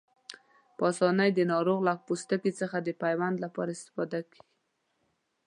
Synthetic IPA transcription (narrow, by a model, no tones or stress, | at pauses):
pɑsɑnajd̪ənɑɾoɣlapust̪əkit͡səxad̪əpajwand̪lapɑɾaɪst̪ɪ̥fɑd̪aki